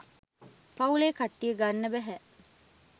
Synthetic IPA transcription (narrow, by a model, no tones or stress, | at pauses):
pauleːkaʈːijəɡanːəbæɦæ